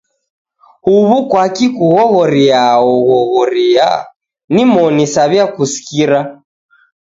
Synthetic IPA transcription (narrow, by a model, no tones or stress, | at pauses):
huβukwakikuɣɔɣɔɾiaɔɣɔɣɔɾia̰ | nimɔnisaβjakusi̥kiɾa